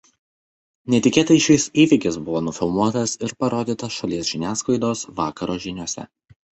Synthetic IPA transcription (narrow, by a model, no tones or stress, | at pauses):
nʲɛt̪ʲɪkʲeːt̪ɐɪʃʲɪɪsiːʋʲɪkʲɪsbʊʋoːnʊfʲɪlˠmuɔt̪ɐsɪɾpɐɾoːd̪ʲiːt̪ɐʃɐlʲiɛsʒʲɪnʲæːsklˠɐɪd̪oːsʋɑːkɐɾoːʒʲɪnʲuɔsʲɛ̰